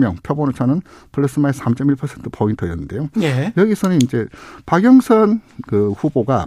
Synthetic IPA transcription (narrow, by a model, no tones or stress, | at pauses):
mjʌŋpʰjʌbonot͡ɕʰanɯn | pɯɭʌs͈ɯmaesʰamt͡ɕ͈ʌmiɭpʰʌsʰentʰɯ̥pʰointʰɯjʌnːɯnde̞jojejʌɡisʰʌnɯnind͡ʑe̞paɡjʌŋsʰʌnkɯɸuboɡa